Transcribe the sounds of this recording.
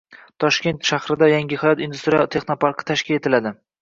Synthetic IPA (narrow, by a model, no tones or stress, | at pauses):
t̪ʰɒʃkʲe̞nt̪ʃahɾɪd̪ajaŋʲɪhajɒt̪ind̪ust̪ɾijɒt̪ʰe̞χno̞pɑɾqʰɨ̥t̪ʰaʃkʲɪle̞t̪ʰɪlad̪ɪ